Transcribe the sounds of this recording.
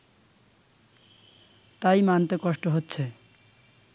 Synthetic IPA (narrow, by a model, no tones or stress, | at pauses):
t̪ajmant̪ekɔʃʈoɦotːɕʰe